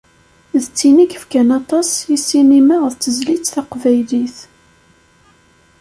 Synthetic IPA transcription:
ðət͡sːinikəfkænɑt̪ˤɑsˤisinimaʁəðt͡sːəzlit͡sːθɑqvæjliθ

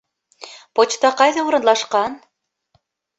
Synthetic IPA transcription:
pot͡ɕt̪ɑqɑjðɤuɾɤ̆nlɑʃqɑn

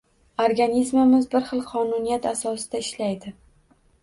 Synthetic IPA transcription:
oɾɡanʲizmɪmɪzbɪɾχɨlˠqʰɒnʊnijat̪asɒsɪd̪aɪʃlajd̪ɪ

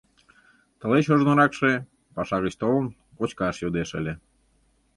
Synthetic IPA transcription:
t̪ə̆leɕoʒnoɾɑkʃe | pɑʃɑɣət͡ɕt̪olən | kot͡ɕkɑʃjod̪eʃə̰lʲe

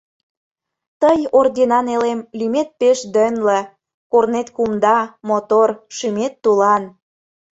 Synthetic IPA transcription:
t̪əjord̪ʲinɑnelemlymet̪̚peʃd̪ənlə̆ | kornet̪kumd̪ɑmot̪orʃymet̪ːulɑn

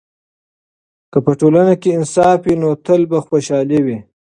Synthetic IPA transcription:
kəpəʈolanakeɪnsɑfwinot̪əlbaxwoʃɑlewi

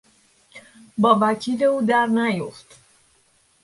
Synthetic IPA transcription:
bɒːvæcʰiɾeuːd̪æɾnæjoft̪

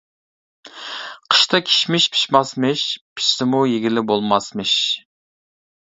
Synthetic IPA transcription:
qʰə̥ʃt̪ʰɑkʲʰi̥ʃmɪʃpʰi̥ʃmɑsmɨʃpʰi̥t͡ʃsɪmujeɡʲilɪbolˠmɑsmɨʃ

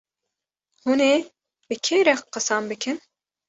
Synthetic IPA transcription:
huneː | bɨkʰeːɾɛxqɨsɑmbɨkʰɨn

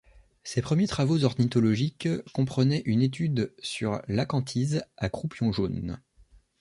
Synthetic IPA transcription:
sepχəmjet̪χavozɔʁnit̪ɔlɔʒikːɔ̃pχənɛʔynet̪̬yd̪syʁlakɑ̃t̪ʰizakχupjɔ̃ʒon

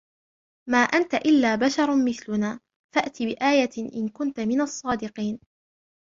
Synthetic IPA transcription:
maːʔant̪aʔɪlːaːbaʃɑɾˤmɪθlʊnaː | faʔt̪ɪbɪʔaːjaʔɪ̰nkʊnt̪amɪnɑsˤːɑːd̪ɪqiːn

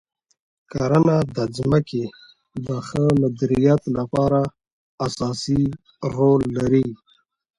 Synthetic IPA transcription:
kaɾanad̪əzməke | d̪əxəlad̪ɾijat̪lapɑɾaː | sɑsi | ɾolːaɾi

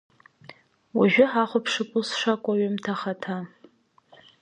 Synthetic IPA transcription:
waʒᶣʊħaχʷʊpʰʂɨkʷʼʊlsʂʷakʷʼaɥɪmtʰaχatʰa

